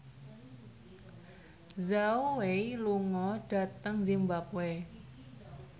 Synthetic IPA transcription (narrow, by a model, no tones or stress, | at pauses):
zauweiluŋɔɖ̥a̤t̪əŋzimbapwe